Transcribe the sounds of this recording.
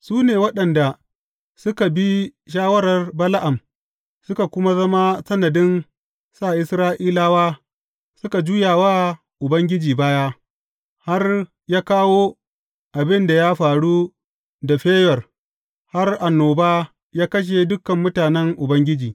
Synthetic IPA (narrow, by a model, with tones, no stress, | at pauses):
suː˦neː˨wɐ˦ɗɐ˨nda˨ | sʊ˦ka˨bi˦ʃ̬aː˦wɐ˦ɾɐ˨rbɐ˦la˦ʔa˨m | sʊ˦ka˨kʷʊ˦ma˦zɐ˦ma˦sɐ˦nɐ˨dɪ˦n | saː˦˨ʔɪ˦sɾaː˦ʔiː˦laː˦waː˦ | sʊ˦ka˨d͡ʒuː˦jaː˨waː˦ | ʔʊ˨bɐ˦ŋɡʲɪ˦d͡ʒiː˨baː˦ja˦ | ha˦r | jaː˦kaː˦wo˦ | ʔa˨bɪ˦nda˨ja˦ɸaː˨ɽu˦ | da˨ɸeː˦jɔ˨r | ha˦rʔa˨nːoː˨baː˦ | jaː˦kɐ˦ʃ̬e˨dʊ˦kːɐ˨mːʊ˦taː˨nɛ˦ŋʔʊ˨bɐ˦ŋɡʲɪ˦d͡ʒiː˨